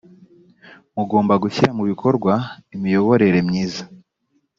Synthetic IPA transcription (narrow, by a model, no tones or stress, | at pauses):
muɡo̞ːmbaɡuçiɾamuβikʰo̞ɾɡwaimijo̞βo̞ɾe̞ɾe̞mɲiːza